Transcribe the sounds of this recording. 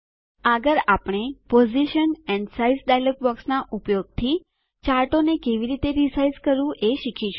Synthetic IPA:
aɡəɾapɽ̃epoziʃənɛnsaizɖajləkbɔksnaʔupjoɡ̚t̪ʰi | t͡ʃaɾʈonekeʋiɾit̪eɾisajzkəɾʋũʔeʃikʰiʃ

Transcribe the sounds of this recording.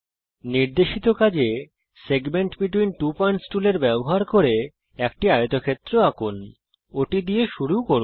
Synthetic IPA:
niɾd̪eʃit̪okad͡ʑe | seɡmeɳʈbiʈwinʈupɔjɳʈsʈuleɾbɛboɦaɾkoɾe | ɛkʈiajot̪okʰet̪ːɾoakun | oʈid̪ijeʃuɾukoɾun

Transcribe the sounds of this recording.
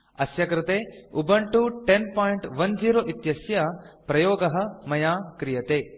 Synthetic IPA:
ɐsjɐkɾɪt̪eːubɐɳʈuʈenpoːjiɳʈʋɐnd͡ʒiːɾoːʔit̪jɐsjɐpɾɐjoːɡɐɦɐ̆mɐjaːkɾijɐt̪eː

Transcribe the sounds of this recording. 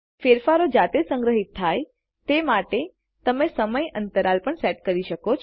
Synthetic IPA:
feɾfaɾod͡ʒat̪esəŋɡɾəɦit̪ʰːaj | t̪emaʈe | t̪əmesəməjənt̪əɾalpəɳseʈ̚kəɾiʃəkot͡ʃʰ

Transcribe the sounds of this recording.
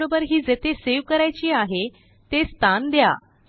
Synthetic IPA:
obəɾɦiːd͡zet̪eseʋkəɾajt͡ɕiːaɦe | t̪est̪ʰand̪ja̰

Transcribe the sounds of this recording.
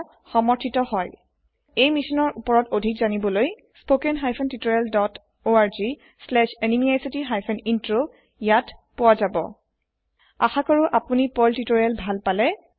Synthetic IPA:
xɔmɔɹtʰitɔhɔj | ejmisɔnɔɹʔupɔɹɔtodʱikzanibɔloj | spokɛnɦajpʰɛntitoɹjɛldɔt | oaɹzi | slɛʃenimiajsitiɦajpʰɛnintɹo | jatpʊwazabɔ̰ | a̰xakɔɹuʔapunipɔltitoɹɛlbʱalpalɛ

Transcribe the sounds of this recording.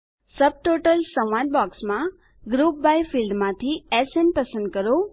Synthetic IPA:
səb̚ʈoʈəlsə̃ãnbɔksmã | ɡɾup̚bajfʰilɖmãt̪ʰiɛsenpəsə̃nd̪̚kəɾo

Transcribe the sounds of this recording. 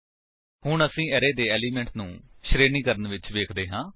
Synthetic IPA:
hʊɳəsĩːɛːɾeːd̪eːɛːliːmɛ̃ːɳʈnũːʃɾeːnĩːkəɾənʋɪt͡ʃʋeːkʰd̪eːɦãː

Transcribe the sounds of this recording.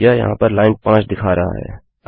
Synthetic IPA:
jaːjɐ̰ɦã̰ːpəɾlaːɪnpãːt͡ʃd̪ɪkʰaːɾaɦa̰ɦɛ̰ː

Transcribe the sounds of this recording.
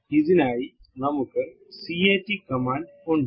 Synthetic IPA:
iðinaːji | nɐmukːɨ | sieːʈːikɐmaːɳɖ | uɳɖ

